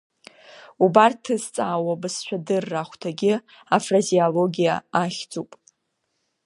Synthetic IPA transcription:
ubartʰːɨzt͡sʼaːwabɨsʃʷᶣadɨrːaχʷtʰaɡʲɪ | afraziolo̞ɡʲija̰aχʲd͡zʼupʼ

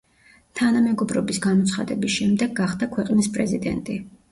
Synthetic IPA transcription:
t̪ʰanamɛɡɔbɾɔbisɡamɔt̪sʰχa̰d̪ɛbisʃɛmd̪ɛɡːaχd̪akʰwɛqʼnispʼɾɛzid̪ɛ̰nt̪ʼi

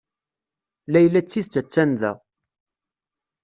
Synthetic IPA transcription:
læjlːæt͡sːiðt͡sːæt͡sːænðæ̰

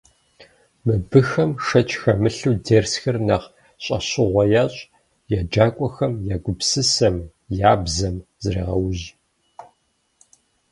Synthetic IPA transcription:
mɨbɨxɐmʂɐt͡ʃʰʼxɐmɨɬuːdeːrsxɐrnaʁ | ɕʼɐ̰ɕɪʁʷɐjaːɕʼ | jad͡ʒaːkʷʼɔxɐmjaːɡʷʊpsɨsɐm | jaːbzɐmzreːʁɐwʑ

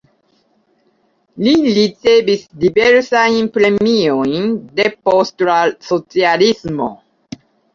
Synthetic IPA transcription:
lilit͡sevisdiveɾsajnpɾemiojnde̞postlasot͡sialismo̰

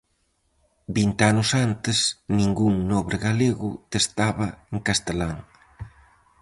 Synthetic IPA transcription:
bint̪anʊsant̪ɪsnĩŋɡuŋnɔβɾɪɣaleɣʊt̪est̪aβɐeŋkast̪elaŋ

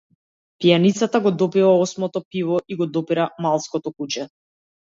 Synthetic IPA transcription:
pijanit̪sat̪aɡɔd̪ɔpivaɔsmɔt̪ɔpivɔʔiɡɔd̪ɔpiɾamalˠskɔt̪ɔkut͡ʃɛ

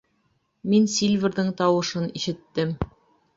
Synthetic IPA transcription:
minsʲilʲvʲɘ̆ɾðɘɴt̪ɑwɤ̆ʃɤniʃɘ̆t̪ːɘm

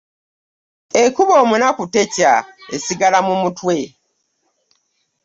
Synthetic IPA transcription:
ekuβo̞ːmunakute̞ca̰ḛsiɡalamumutwe̞

